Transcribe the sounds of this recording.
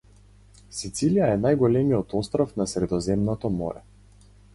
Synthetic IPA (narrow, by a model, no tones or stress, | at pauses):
sit̪silijaɛnajɡɔlɛmiɔt̪ɔst̪ɾɔfnasɾɛd̪ɔzɛmnɔt̪ɔmɔ̰ɾɛ̰